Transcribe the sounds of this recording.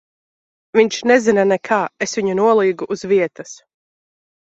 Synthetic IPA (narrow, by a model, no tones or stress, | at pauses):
viɲʲt͡ʃnɛzinanɛkʰaːesvʲiɲunuɔlˠiːɡuʔːzviɛt̪as